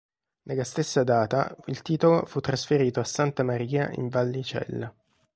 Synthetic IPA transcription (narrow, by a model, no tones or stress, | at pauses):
nelːast̪esːad̪aːt̪a̰ilt̪iːt̪olofut̪ːɾasfeɾiːt̪oasːant̪amaɾiːa̰ʔḭɱvalːit͡ʃɛ̰lːa